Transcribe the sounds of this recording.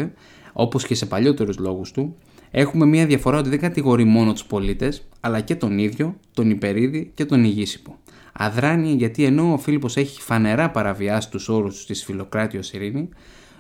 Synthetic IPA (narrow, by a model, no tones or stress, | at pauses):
e | o̞po̞sce̞se̞pɐʎo̞t̪e̞ɾuzlo̞ɣust̪u | e̞xume̞mɲɐðjʝɐfo̞ɾɐot̪iðeŋɡɐt̪iɣo̞ɾimo̞no̞t̪u̥spo̞lit̪e̞sɐlɐce̞t̪o̞niðʝo̞t̪o̞nipe̞ɾiðice̞t̪o̞niʝisi̥po̞ | ɐ̰ðɾɐniʝɐt̪ie̞no̞ːfilipo̞se̞çi̥fɐne̞ɾɐpɐɾɐviɐsi̥t̪uso̞ɾust̪u̥st̪isfilo̞kɾɐt̪io̞siɾini